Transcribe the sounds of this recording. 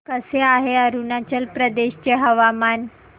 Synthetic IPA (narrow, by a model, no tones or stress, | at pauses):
kəseaɦeəɾunat͡ɕəlpɾəd̪eɕt͡ɕeɦəʋaman